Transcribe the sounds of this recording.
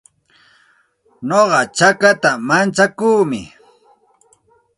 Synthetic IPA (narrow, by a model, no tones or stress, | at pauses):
noɢɑt͡ʃakat̪amant͡ʃakuːmɪ̰